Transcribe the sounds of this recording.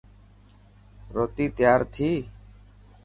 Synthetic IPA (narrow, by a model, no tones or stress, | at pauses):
ɾoːt̪iːt̪jaːɾt̪ʰiː